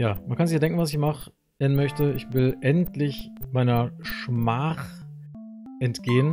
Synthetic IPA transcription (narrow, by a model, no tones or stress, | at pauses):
jaːmankʰanzɪçaːdɛŋkŋ̩vasɪçmaχ | ɛnmœçtəɪçvɪlʔɛntʰlɪçmaɪnɐʃmaːχ | ʔɛntɡ̥eːən